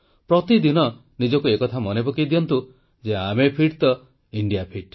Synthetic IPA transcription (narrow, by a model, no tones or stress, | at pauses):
pɾɔt̪id̪inɔ | nid͡ʒɔkuekɔt̪ʰamɔnepɔkid̪ijɔnt̪u | d͡ʒeamepʰiʈt̪ɔ | iɳɖijapʰiʈ